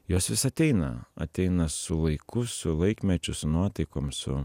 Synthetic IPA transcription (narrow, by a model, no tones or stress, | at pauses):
joːsʋʲɪsɐt̪ʲɛɪnɐ̰ɐ̰t̪ʲɛɪnɐsʊlˠɐɪkʰʊsʊlˠɐɪkmʲɛt͡ʃʲʊsʊnuɔt̪ɐɪkoːmsʊ̰